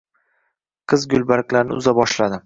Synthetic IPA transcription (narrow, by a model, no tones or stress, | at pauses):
qʰɨzɡʲʊlˠbaɾkʲlaɾnɪ̰ʊ̰zabɒʃlad̪ɪ